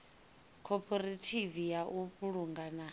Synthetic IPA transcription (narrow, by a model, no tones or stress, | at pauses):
kʰɔpʰʼɔɾatʰivijaʔupʼuɺuŋɡana